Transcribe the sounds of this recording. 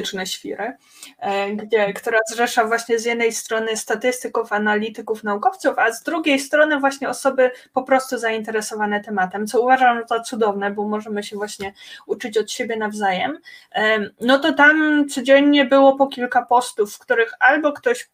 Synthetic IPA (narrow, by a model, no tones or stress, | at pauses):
t͡ʂnɛɕfʲḭɾɘ | ɡd͡ʑɛkt̪uɾazʐɛʂavwaɕɲɛzjɛd̪nɛjst̪ɾɔnɘst̪at̪ɘst̪ɘkufanalʲit̪ɘkufnaukɔft̪sufazd̪ɾuɡʲejst̪ɾɔnɘvwaɕɲɛɔsɔbɘpɔpɾɔst̪uzaint̪ɛɾɛsɔvanɛt̪ɛmat̪ɛmt̪sɔuvaʐamt̪at̪sud̪ɔvnɛbɔmɔʐɛmɘɕɛvwaɕɲɛut͡ʂɘt͡ɕɔt̪ɕebʲjɛnavzajɛm | nɔt̪ɔt̪amt̪sɔd͡ʑɛɲɲɛbɘwɔpɔkʲilkapɔst̪ufːkt̪uɾɘxalbɔkt̪ɔɕ